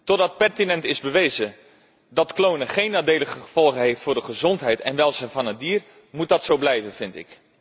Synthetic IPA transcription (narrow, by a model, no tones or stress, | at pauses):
tɔdɑt̚pɛrtinɛntɪzbəʋejzə | dɑtklownəχejnːaːdejləɣəχəv̥ɔlˠχənɦejftfʊːrdəχəzɔntɦɛjtɛnʋɛlˠzɛjnvɑnət̚diːr | mut̚dɑtsowblɛjvənvɪntɪ̰k